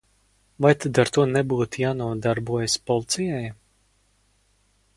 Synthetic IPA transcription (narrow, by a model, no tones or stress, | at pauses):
vajt̪ʰad̪aɾt̪uɔnɛbuːt̪jaːnuɔd̪aɾbuɔjaspɔlˠt̪sijaj